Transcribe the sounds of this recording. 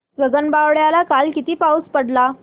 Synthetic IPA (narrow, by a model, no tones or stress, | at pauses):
ɡəɡənbaʋɽjalakalkit̪iːpauspəɽla